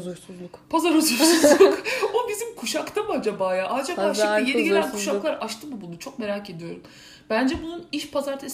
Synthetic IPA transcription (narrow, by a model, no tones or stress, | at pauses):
uɾsuzlˠukpʰazaɾuzuɾsuzllˠukobizimkʰuʃakt̪ʰamuad͡ʒabaːjaːʔad͡ʒakaʃaɛjeiɟelʲænkʰu̥ʃakklˠaɾʔaʃt̪ʰɯmubunut͡ʃʰo̞k̚me̞ɾaːce̞d̪ijo̞ɾum | b̥ænd͡ʒɛbununiʃpʰazaɾt̪ʰes